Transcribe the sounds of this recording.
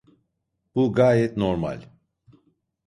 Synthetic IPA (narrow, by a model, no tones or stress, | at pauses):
b̥uɡaːjɛt̪noɾma̰lʲ